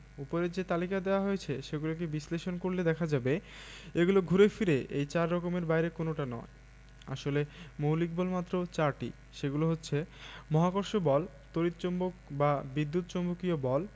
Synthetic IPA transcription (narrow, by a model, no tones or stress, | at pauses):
upoɾeɾd͡ʑet̪alikad̪eoaɦojet͡ɕʰeʃeɡulok̬ebisleʃonkoɾled̪ɛkʰad͡ʑabeeɡuloɡʱuɾefiɾeʔejt͡ɕaɾːɔkomeɾbajɾekonoʈanɔ̰e | a̰ʃolemowlik̚bɔlmat̪ːɾot͡ɕaɾʈḭ | ʃeɡuloɦotːɕʰemɔɦakoɾʃobɔl | t̪oɾit̪̚t͡ɕombokbabid̪ːut̪̚t͡ɕɔmbokiobɔl